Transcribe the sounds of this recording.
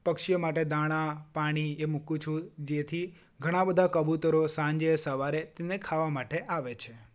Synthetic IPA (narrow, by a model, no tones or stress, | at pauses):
pəkʃijəmaʈed̪aɽ̃ãpaɽ̃iemukũt͡ʃʰũd͡ʒet̪ʰi | ɡʱəɽ̃ãbəd̪ʱakəbut̪əɾosãɲd͡ʒesəʋaɾet̪enekʰaʋamaʈeʔaʋet͡ʃʰe